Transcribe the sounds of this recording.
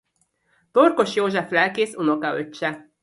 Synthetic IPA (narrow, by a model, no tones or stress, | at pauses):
t̪orko̞ʃjoːʒɛflɛlkeːsunokɒøt͡ʃːɛ